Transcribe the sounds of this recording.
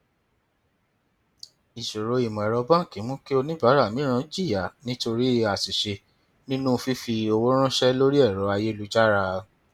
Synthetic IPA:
i˨ʃo˨ɾo˨˧˦i˨mɔ̃˨ɛ˨ɾɔ˧bã˦˨ki˨˦mũ˦ki˦o˧nĩ˦ba˨˦ɾa˦˨mĩ˦ɾ̃ã˦d͡ʒi˦˨ja˨nĩ˦to˧ɾi˦a˨si˨ʃe˧ | nĩ˦nũ˦˧fi˦fi˧o˧wo˦ɾ̃ã˦ʃɛ˦lo˦ɾi˦ɛ˦˨ɾɔ˨˦a˧je˦˨lu˨˦d͡ʒa˦ɾa˧

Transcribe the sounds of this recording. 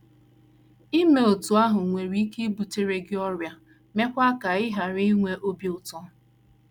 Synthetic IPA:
i˦me˨o˨tu˨a˦ɦʊ˨ŋʷe˨ɾi˦ke˦bu˨te˦ɾe˦ɡɪ˦ɔ˦ɾja˨ | me˦kʷa˦ka˨ɪ˦ɦa˨ɾɪ˦ŋʷe˦ʔo˦bi˦ʊ˨tɔ˦

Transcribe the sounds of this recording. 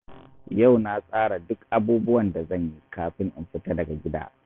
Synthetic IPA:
ja˦˨wna˦sʼaː˦ɽa˨dʊ˦kʔa˦buː˦bʊ˦wɐ˨nda˨zɐ˦˨ɲji˦kaː˨ɸɪ˦ŋʔɪ˨mɸɪ˦ta˦dɐ˨ɡa˨ɡʲɪ˦da̰ː˦

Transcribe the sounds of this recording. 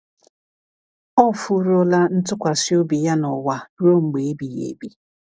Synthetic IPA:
ɔ˦fu˦ɾo˦la˦n̩˦tʊ˦kʷa˨si˦o˦bi˨ja˦nɔ˨wa˨ɾo˦ŋ͡m̩˨ɡ͡be˨e˦bi˨jḛ˨bi˦

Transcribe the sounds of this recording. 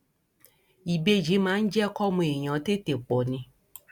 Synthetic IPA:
i˨be˧d͡ʒi˨˦mãː˨˦n̩˦d͡ʒɛ˦kɔ˦mũ˧˨e˨ɲ̃ɔ̃˨˦t̪e˦t̪e˨k͡pɔ˨nĩ˧

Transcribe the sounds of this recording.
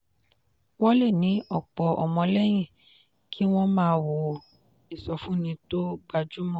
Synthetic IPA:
wɔ˦le˦˨nĩ˨˦ʔɔ˦˨k͡pɔ˨ɔ̰˨mɔ̃˧lɛ˦j̃ĩ˦˨ | kʰi˦w̃ɔ̃˦mãː˦wo˨ | i˨sɔ˨fũ˦nĩ˧to˦ɡ͡ba˧˨d͡ʒu˦mɔ̃˦˨

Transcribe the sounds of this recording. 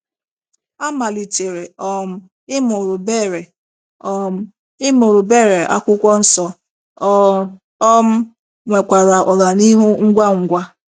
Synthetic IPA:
a˦ma˨li˨te˨ɾe˨ɔ˦m̩˦ | ɪ˦mo˨ɾʊ˨be˦˨ɾe˨ | ɔ˦m̩˦ | ɪ˦mo˨ɾʊ˨be˦˨ɾe˨ʔa̰˦kʷʊ˦kʷɔ˦n̩˦sɔ˦ | m̩˦ | ŋʷe˨kʷa˨ɾa˨ʔɔ˨la˨ni˦ɦu˦ŋ̩˦ɡʷa˦ŋ̩˨ɡʷa˦

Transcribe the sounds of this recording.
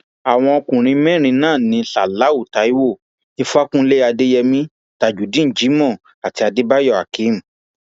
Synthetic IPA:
a˨w̃ɔ̃˧o˧kũ˨ɾ̃ĩ˧˦mɛ̃˦˨ɾ̃ĩ˧nãː˦˨nĩ˧˦ɬa˨la˨˦u˦˨ta˨˦i˦wo˦˨ | e˧fu˦a˦kũ˦le˦a˧de˦jɛ˧mĩ˦ | ta˨d͡ʒu˨˦dĩ˦n̩˨d͡ʒi˨˦mɔ̃˦˨ | a˨ti˧a˧de˦ba˦jɔ˦˨a̰˨ki˨˦m̩˨

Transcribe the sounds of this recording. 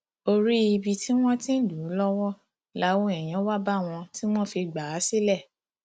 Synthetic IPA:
o˧ɾi˦i˧bi˧ti˦w̃ɔ̃˦tĩ˦˨du˨˦lɔ˦wɔ˦ | la˨˦wo˦ɛ˨j̃ɛ̃˨˦wa˦ba˦˨w̃ɔ̃˧ti˦w̃ɔ̃˦fi˧ɡ͡ba˨a˨˦si˦lɛ˦˨

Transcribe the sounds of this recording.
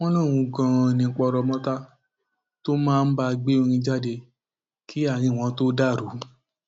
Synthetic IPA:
w̃ɔ̃˦lɔ̃˦˨ɾ̃ũ˨˧ɡã˧nĩ˧˦k͡pɔ˧ɾɔ˧mɔ̃˦ta˦ | to˦mãː˦˧n̩˦ba˧ɡ͡be˦o˧ɾ̃ĩ˧d͡ʒa˦˨de˧ | kʰi˦a˦˨ɾ̃ĩ˧˨w̃ɔ̃˧to˦da˦˨ɾu˨˦

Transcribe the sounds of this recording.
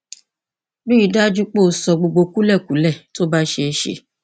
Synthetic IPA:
nũ˦i˧da˦d͡ʒu˦k͡po˦˨˦sɔ˨˧ɡ͡bo˧ɡ͡bo˧ku˦lɛ˦˨ku˨˦lɛ˦˨to˦ba˦ʃe˧ʃḛ˧

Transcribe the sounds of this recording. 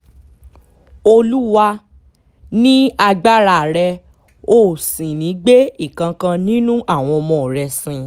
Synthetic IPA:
o˧lu˦wa˧ | nĩ˦a˧ɡ͡ba˦ɾa˦˨ɾɛ˧ | oː˦˨sĩ˨nĩ˨˦ɡ͡be˦i˦˨kã˧kã˧nĩ˦nũ˦ʔa˦˨w̃ɔ̃˧mɔ̃˧˨ɾɛ˧sĩ˧

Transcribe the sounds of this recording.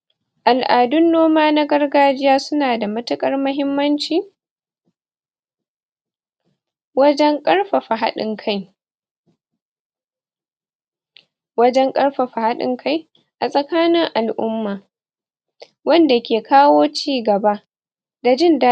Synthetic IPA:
ʔa˨lʔaː˨dʊ˦nːoː˦maː˦na˦ɡɐ˦rɡaː˦d͡ʒɪ˦jaː˦sʊ˦naː˨da˨mɐ˦tʊ˦kʼɐ˦rmʊ˦ɦɪ˦mːɐ˦nt͡ʃiː˨ | wɐ˦d͡ʒɛ˦ŋkʼɐ˦ɽɸa˨ɸa˨ɦa˦ɗɪ̰˨ŋkʰa˦j | wɐ˦d͡ʒɛ˦ŋkʼɐ˦ɽɸa˨ɸa˨ha˦ɗɪ̰˦ŋkʰa˦j | ʔa˨sʼɐ˨kaː˦nɪ˦ŋʔa˨lʔʊ˦mːaː˨ | wɐ˦nda˨kʲeː˨kʰaː˦woː˦t͡ʃiː˦ɡɐ˨ba˦ | da˨d͡ʒɪ˦nda˦

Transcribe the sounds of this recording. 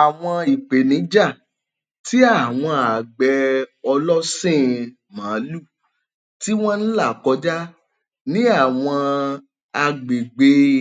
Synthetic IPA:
a˨w̃ɔ̃˧i˨k͡pe˨nĩ˨˦d͡ʒa˦˨ | ti˦a˦˨w̃ɔ̃˧a˨ɡ͡bɛ˧ɔ˧lɔ˦sẽ˦˨ | mãː˨˦lu˦˨ | ti˦w̃ɔ̃˦n̩˦la˦˨kɔ˨˦d͡ʒa˦ | nĩ˦a˦˨w̃ɔ̃˧ | a˧ɡ͡be˨ɡ͡be˨˧˦

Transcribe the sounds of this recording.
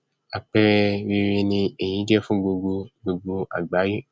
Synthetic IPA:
a˨k͡pɛ˧we˧ɾe˧nĩ˧e˨ɲ̃ĩ˨˦dɛ˦fũ˦ɡ͡bo˧ɡo˧ɡ͡bo˨˧ɡ͡bo˧a̰˨ɡ͡ba˨˦je˦

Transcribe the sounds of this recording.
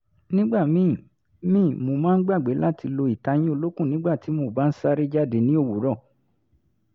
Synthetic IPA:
nĩ˦ɡ͡ba˦˨mĩ˨˦˨ | mĩː˦˨mo˨mãː˦n̩˦ɡ͡ba˦˨ɡ͡be˨˦la˦tʰi˧lo˧i˨ta˧j̃ĩ˦o˧lo˦kũ˦˨nĩ˨˦ɡ͡ba˦˨ti˨˦mo˧˦˨ba˨˦n̩˦sa˦ɾi˦d͡ʒa˦˨de˧˦nĩ˨˦o˦˨wu˨˦ɾɔ˦˨

